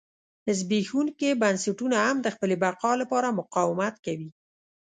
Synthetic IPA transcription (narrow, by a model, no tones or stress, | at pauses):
d̪əzbexunkebansaʈunahamd̪əxpəlebaqɑlapɑɾamʊqɑwɪmat̪kawi